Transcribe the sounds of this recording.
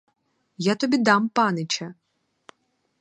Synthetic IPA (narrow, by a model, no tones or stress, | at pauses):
jat̪ɔbʲid̪ɑmpɑnɪt͡ʃɐ